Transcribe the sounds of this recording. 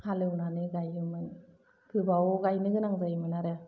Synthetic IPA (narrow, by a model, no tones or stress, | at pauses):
halɯwnanɯɡajɯmɯn | kʰɯbawɡajnɯɡɯnaŋzajmɯnaɾɯ